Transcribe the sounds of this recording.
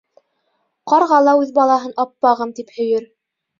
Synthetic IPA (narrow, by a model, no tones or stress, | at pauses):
qɑɾʁɑlˠɑʉðbɑlˠɑɦɤnɑpːɑʁɤmt̪iphɵ̆jɘɾ